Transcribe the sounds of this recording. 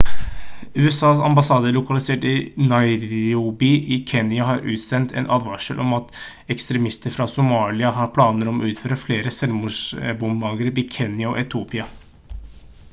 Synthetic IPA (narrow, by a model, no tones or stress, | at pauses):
ʉːɛsɑːsɑ̰mbɑsɑːd̪əlʊkɑlɪseːʈɪnɑɪɾubɪʔɪkʰɛːnjɑɦɑɾʔʉːt̪sɛnt̪ʰɛ̰nʔɑːd̪ʋɑʂəlʔɔmɑt̪ | ɛkst̪ɾɛmɪst̪əɾfɾɑsʊmɑːlɪɑɦɑːɾpʰlɑːnəɾɔmɔ̰ʉːt̪føːɾəfleːɾəsɛlmuːʂbʊmbɑːɡəɾʋikʰɛnjɑɔ̰ʔɛt̪ʰuːpɪɑ